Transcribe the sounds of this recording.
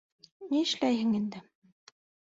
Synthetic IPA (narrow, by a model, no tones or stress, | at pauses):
miɘ̆ʃlæjɦɘ̆ŋind̪ɘ